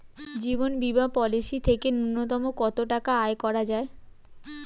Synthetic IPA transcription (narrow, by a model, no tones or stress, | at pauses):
d͡ʑibonbibapɔlisit̪ʰekenunːot̪ɔmokɔt̪oʈakaaekɔɾad͡ʑae